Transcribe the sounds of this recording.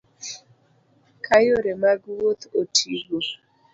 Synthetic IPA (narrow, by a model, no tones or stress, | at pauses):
kʰajoɾemaɡuwot̪otʰiɡo